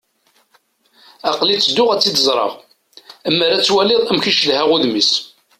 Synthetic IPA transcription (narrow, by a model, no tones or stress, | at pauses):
ɑqlit͡sːəd̪ːʊʁæt͡sːid̪əzˤɾˤɑ̰ʁ | əmːəɾæt͡sːwælɪðˤæmçiʃlhæʁʊðmis